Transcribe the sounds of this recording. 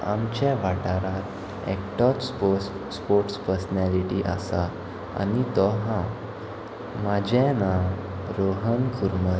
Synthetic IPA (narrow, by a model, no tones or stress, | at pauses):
a̰mt͡ɕaʋaʈaɾaɾ | ɛ̰kʈɔt | spoɾʈspəɾsənaliʈiʔa̰sa | a̰nit̪ɔɦã | mad͡ʑʱãna | ɾoɦənkʰuɾməɾ